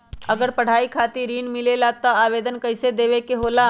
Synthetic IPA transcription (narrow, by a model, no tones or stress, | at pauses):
əɡəɾpəɽ̤aikʰat̪iɾiːnmilelat̪əaːʋed̪ənkəjsed̪eʋekeɦola